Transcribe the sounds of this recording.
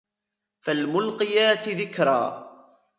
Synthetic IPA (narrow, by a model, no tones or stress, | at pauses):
falmʊlqɪjaːt̪ɪðɪkɾˤa̰ː